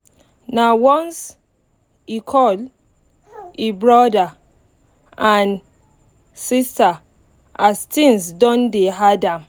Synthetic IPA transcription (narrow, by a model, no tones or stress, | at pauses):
nawɔ̃ns | ikʰɔl | ebɹɔda | ãn | sista | astĩŋsdɔ̃ndeɦadãm